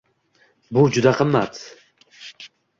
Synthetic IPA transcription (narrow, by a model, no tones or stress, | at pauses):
bud͡ʒud̪aqʰəmːat̪